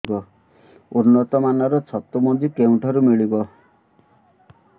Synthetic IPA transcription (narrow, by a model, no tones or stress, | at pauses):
kɔ | uɾnɔt̪ɔmanʌɾɔt͡sʰʌt̪ːumɔd̪ikeuɳʈʌɾumiɭikɔ